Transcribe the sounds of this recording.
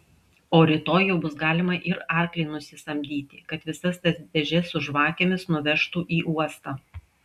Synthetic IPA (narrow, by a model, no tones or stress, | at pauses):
oːɾʲɪt̪oːjɛʊbʊsɡɑːlʲɪmɐʔɪɾɑˑɾklʲɛɪnʊsʲɪst̪ɐmʲd̪ʲiːt̪ʲɪkɐt̪ʋʲɪsɐst̪ɐsdʲɛʒʲɛsʊʒʋɑːkʲemʲɪsnʊʋʲɛʃt̪uːʔiːʔuɔst̪ɑː